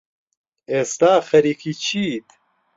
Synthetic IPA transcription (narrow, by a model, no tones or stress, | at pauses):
eːst̪aːxɐɾikit͡ʃʰiːt̪